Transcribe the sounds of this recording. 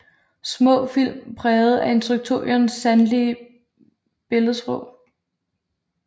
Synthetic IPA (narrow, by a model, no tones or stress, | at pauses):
smɔ̰̽ːfil̰mpʰʁɛːð̞̩ˠæe̝nt͡sʰʁyɡ̥̚t͡sʰo̝jɐnsːænliə | b̥e̝lð̩ˠsʁɔʊ